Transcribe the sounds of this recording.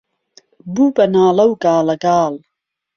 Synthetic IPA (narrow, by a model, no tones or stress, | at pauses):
buːbɐnaːlɐwɡaːlɐɡaːl